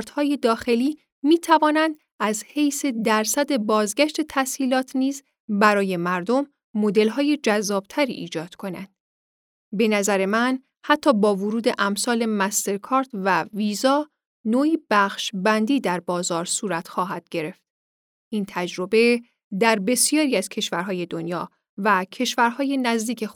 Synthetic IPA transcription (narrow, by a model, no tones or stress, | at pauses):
ɾt̪hɒːje̞d̪ɒːxe̞liː | miːt̪ʰævɒːnænd̪ | æzhejse̞d̪æɾsæd̪e̞bɒːzɡæʃt̪e̞t̪ʰæsiːlɒːt̪ʰniːz | bæɾɒːje̞mæɾd̪o̞mː | o̞d̪e̞lɦɒːje̞d͡ʒæzːɒːb̥̚t̪ʰæɾḭʔiːd͡ʒɒːd̪̥kʰo̞næ̰nd̪̥ | be̞næzæɾe̞mæn | hæt̪ʰːɒːbɒːvoɾuːd̪e̞ʔæmsɒːle̞mæst̪e̞ɾkʰɒːɾt̪væviːzɒː | noːiːb̥æxʃbænd̪iːd̪æɾbɒːzɒːɾsuːɾæt̪xɒːɦæd̪̥̚ɟe̞ɾe̞ft̪̚ | ʔiːnt̪ʰæd͡ʒɾo̞be̞ | d̪æɾbe̞sijɒːɾiːæz̥cʰe̞ʃvæɾɦɒːje̞d̪o̞njɒː | væcʰe̞ʃvæɾhɒːje̞næzd̪iːkcʰe̞